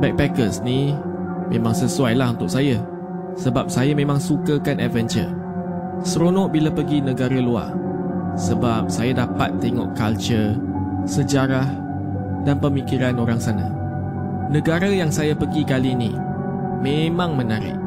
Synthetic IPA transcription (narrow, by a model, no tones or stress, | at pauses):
bɛk̚pɛkəsni | mẽmãŋsəsuajlaɦunt̪ʊk̚saja | səbap̚sajamẽmãŋsukəkanɛvɛnt͡ʃə̰ | sɾonɔʔbilapəɡinə̃ɡaɾəlua̰ | səbap̚sajadapat̪ːeŋɔ̰ʔkalt͡ʃəsəd͡ʒaɾah | danpəmikiɾanoɾaŋsana̰ | nə̃ɡaɾəjaŋsajapəɡikalinḭ | mẽmãŋmənaɾɪ̰ʔ̚